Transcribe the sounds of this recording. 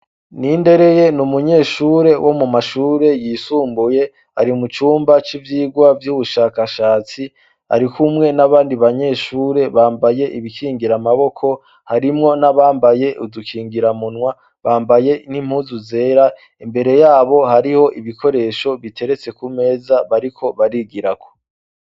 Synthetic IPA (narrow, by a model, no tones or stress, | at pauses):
niːnde̞ɾe̞je̞numuɲe̞ːʃuːɾe̞wʔo̞mumaʃuːɾe̞jiːsuːmbuje̞ | aɾiumut͡ʃuːmbat͡ʃivjiːɡwavjuːβuʃaːkaʃaːt͡si | a̰ɾikumŋe̞naβaːndiβaɲe̞ːʃuːɾe̞βaːmbaje̞ʔiβikʰiːŋɡiɾamaβo̞kʰo̞ | haɾimŋo̞naβaːmbaje̞ʔudukʰiːŋɡiɾamunwa | βaːmbaje̞nim̥huzuze̞ːɾa | imbe̞ɾe̞jaːβo̞haɾiho̞ʔiβikʰo̞ɾe̞ʃo̞βitʰe̞ɾe̞t͡se̞kume̞ːzaβaɾikʰo̞βaɾiɡiɾako̥